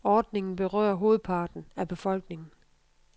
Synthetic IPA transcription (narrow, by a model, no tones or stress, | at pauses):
ɒːd̥ne̝ŋn̩b̥e̝ʁœ̰ːɐɦo̝ːð̩ˠpʰɑ̈ːd̥n̩æb̥e̝fɒ̽l̰ɡ̥ne̝ŋn̩